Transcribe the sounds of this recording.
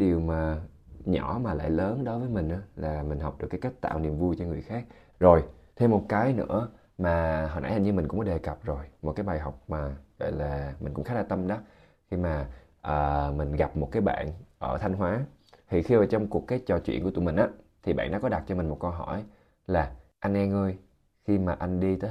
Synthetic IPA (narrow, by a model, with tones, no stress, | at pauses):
ɗi˨˩əwmaː˨˩ | ɲɔ˧˩˦maː˨˩la̰ː˧˨jləː˨˦nɗo˨˦jvəː˨˦jmï˨˩ŋ̟ʔaː˧˩laː˨˩mï˨˩ŋ̟ɦa˨˩wk͡p̚ɗɨ˨˩əkːka˦˥k̚t̪a̰ː˧˨wnḭ˨əmvu˧jt͡ɕɔ˧ŋɨ˨˩əjxaː˦˥k̚ | zo˨˩jt̪ʰe˧mːo˨˩t̚kaː˨˦jnɨ̰˧˥ə | maː˨˩ɦə̰˧˨nʔaː˧˥jha˨˩ɲɨ˧mï˨˩ŋ̟kʊ̰˧˥ŋ͡mkɔ˧˦ɗe˨˩kə˨˩p̚zo˨˩jmo˨˩t̚kaː˨˦jɓaː˨˩jɦa˨˩wk͡p̚maː˨˩ɣɔ̰˧˨jlaː˨˩mï˨˩ŋ̟kʊ̰˧˥ŋ͡mxa˦˥la˨˩t̪ə˧mɗɔ˨˦ | xi˧maː˨˩ | ʔəː˨˩mï˨˩ŋ̟ɣa˨˩p̚mo˨˩t̚kaː˨˦jɓa̰ː˧˨nʔəː˧˩t̪ʰa˧ŋ̟ɦwaː˨˦ | t̪ʰi˨˩xi˧ʔəː˨˩t͡ɕɔ˧wŋ͡mku˨˩əkːaː˨˦jt͡ɕɔ˨˩t͡ɕwḭ˧˨nku˧˩t̪mï˨˩ŋ̟ʔaː˨˦t̪ʰi˨˩ɓa̰ː˧˨nɗa̰ː˧˥kɔ˨˦ɗa˨˩t̚t͡ɕɔ˧mï˨˩mo˨˩t̚kə˧wɦɔ˧˩j | laː˨˩ʔa˧jŋʔɛ˧ŋʔəː˧j | xi˧maː˨˩ʔa˧jŋɗi˧t̪əː˨˦